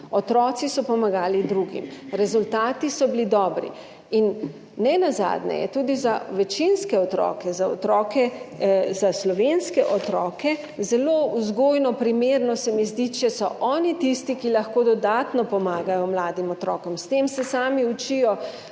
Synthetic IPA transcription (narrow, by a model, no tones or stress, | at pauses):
ɔt̪ɾɔːt̪sisɔpɔmaɡaːlid̪ɾuɡḭmɾɛzult̪aːt̪isɔbilid̪ɔːbɾḭ | inː | ɛnaza̰ːd̪nɛ̰jɛ̰t̪uːd̪izaʋɛt͡ʃinskɛɔt̪ɾɔ̰ːkɛzaɔ̰t̪ɾɔːkɛzaslɔʋenskɛʔɔt̪ɾɔːkɛ | zɛloːuzɡoːjnɔpɾimeɾnɔsɛmizd̪it͡ʃɛsɔʔɔːnit̪ist̪ikilɐxkoːd̪ɔd̪aːt̪nɔpɔmaːɡajɔmlaːd̪imɔt̪ɾɔ̰ːkɔmst̪emsɛsaːmiut͡ʃijɔ